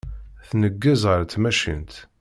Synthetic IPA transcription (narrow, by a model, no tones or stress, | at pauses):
θnəɡːəzʁəɾmæʃḭnt̪